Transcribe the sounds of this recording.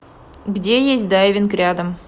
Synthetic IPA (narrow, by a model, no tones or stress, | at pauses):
ɡdʲejesʲt̚ʲd̪ajɪvʲɪnkrʲad̪əm